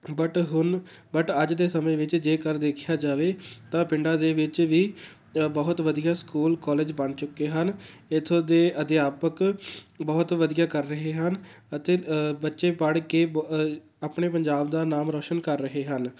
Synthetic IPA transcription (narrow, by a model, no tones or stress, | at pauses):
bəʈɦʊnbəʈəd͡ʒd̪eːsəmẽːʋɪt͡ʃd͡ʒeːkəɾd̪eːkʰɪjaːd͡ʒaːʋeːt̪ãːpɪɳɖaːd̪eːʋɪt͡ʃʋiː | bəːʊt̪ʋəd̪ijaːskuːlkɔːleːd͡ʒbəɳt͡ʃʊkːeːɦənɪt̪ʰod̪eːəd̪ɪjaːpəkbɔːt̪ʋəd̪ijaːkəɾːəɦeːɦən | ət̪eːbətːʃeːpəɽkeː | apɳeːpəɲd͡ʒaːbd̪aːnaːmɾɔːʃənkəɾːəɦeːɦən